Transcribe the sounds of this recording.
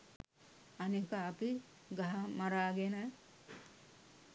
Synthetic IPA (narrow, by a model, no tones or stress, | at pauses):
ɐnikaːpi | ɡaɦamaɾaːɡena